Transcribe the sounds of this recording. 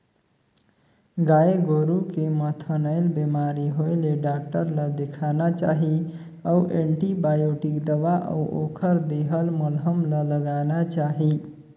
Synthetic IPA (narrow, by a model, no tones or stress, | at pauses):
ɡaeɡoɾukemət̪ʰənəɪlbemaɾiɦoɪleɖak̚ʈəɾləd̪ekʰanat͡ʃaɦi | əuʔeɳʈibajoʈikd̪əʋaʔə̰ʔo̰kʰəɾd̪eɦəlmulɦəmlələɡanat͡ʃaɦi